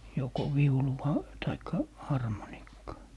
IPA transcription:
joko ʋiuluʋɑ tɑikːɑ hɑrmonikːɑː

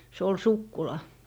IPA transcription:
se ol sukːulɑ

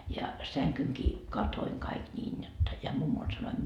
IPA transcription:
jɑ sæŋkyŋkiː kɑtoiŋ kɑik nʲiːn jotːɑ jɑ mumːol sɑnoim

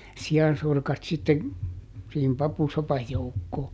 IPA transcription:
siɑnsorkɑt sitːen̞ siːhim pɑpusopɑj joukːoː

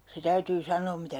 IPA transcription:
se tæytyː sɑnˑoːm mitæ

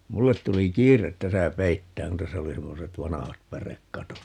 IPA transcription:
mulːet tuli kiːret tæsæ peitːæːŋ kun tæsæ oli semːoset ʋɑnɑhɑt pærekːɑtot

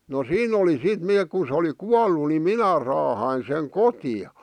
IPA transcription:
no siːn oli sit neːk kun̞ sĕ oli kuɑlːu ni minæ rɑːhɑin seŋ kotiɑ

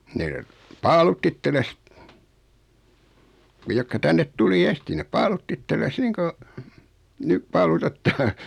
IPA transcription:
ne pɑːlutː itːeles ne jokːɑ tænːet tuli esti nep pɑːlutː itːelːes niːŋ ko nyp pɑːlutetːɑː

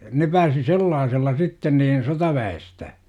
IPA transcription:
ne pæːsi selːɑːselːɑ sitːen niːn sotɑʋæestæ

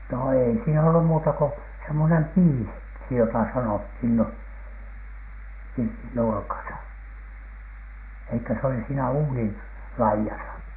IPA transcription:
no eˑi siːn olːu muːtɑ ko semːonem piːsi ksi jotɑˑ sɑnothin no pirtin nurkɑsɑ ei kø se oli siːnæ uːnin lɑijɑsɑ

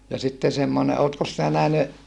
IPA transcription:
jɑ sitːe semːone oːtkos sinæ næhny

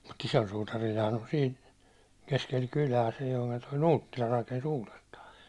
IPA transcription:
mut isol sutɑrilhɑːn on siːn keskel kylæː silːo̥i̥ ku̥n̥ toi nuːtːilɑ rɑkens uːlestɑː

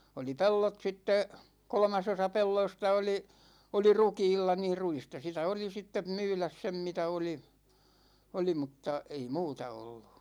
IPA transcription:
oli pelːot sitːe kolŏmɑsosɑ pelːoistɑ oli oli rukiːlːɑ niːr ruistɑ sitæ oli sitːem myːlæs sem mitæ oli oli mutːɑ ei muːtɑ olːu̥

